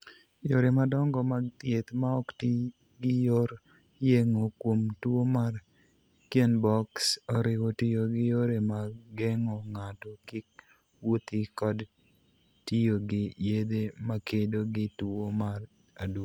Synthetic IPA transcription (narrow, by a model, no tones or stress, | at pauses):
joɾemadɔŋɡɔmat̪jet̪maɔkti | ɡɪjoɾ | jeŋokwomtwomar | kjenbɔksɔɾɪwotijoɡɪjoɾemaɡɛŋɔŋatɔkɪk | wot̪ikɔd | tijoɡɪjed̪emakʰedoɡɪtuomar | ad